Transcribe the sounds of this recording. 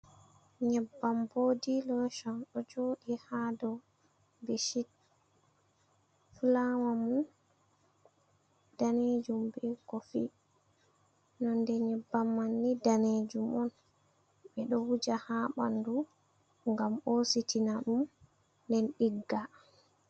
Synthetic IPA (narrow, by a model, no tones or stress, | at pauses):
ɲɛbːamboːdilɔʃɔnɗɔd͡ʒoːɗihadɔ | beʃit̚ | fulawamun | d̥aned͡ʒumbɛkɔfḭ | nɔndɛɲɛbːamːanːidaned͡ʒumɔn | ɓɛɗɔwud͡ʒahaːɓa̰ndu | ŋɡamositinaɗum | ndɛnɗiɡːa